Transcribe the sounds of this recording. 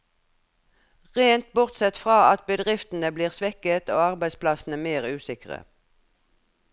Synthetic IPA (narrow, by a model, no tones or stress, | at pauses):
ʁeːnt̪̚bʊʁt̪sɛt̪fʁɑːɑt̪̚bəd̪ʁɪft̪n̩əbliːʁsʋɛkət̪oːɑʁbæɪspʰlɑsn̩əmeːʁʉːsɪkʁə̰